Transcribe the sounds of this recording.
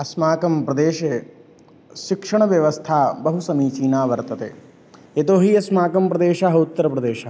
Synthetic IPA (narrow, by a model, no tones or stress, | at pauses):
ɐsmaːkɐmpɾɐd̪eːʃe | ʃikʂɐɳɐʋjɐʋɐst̪ʰaːbɐɦusɐmiːt͡ʃiːnaːʋɐɾt̪ɐt̪ḛː | et̪oːɦiɐsmaːkɐmpɾɐd̪eːʃaːɦɐut̪ːɐɾɐpɾɐd̪eːʃa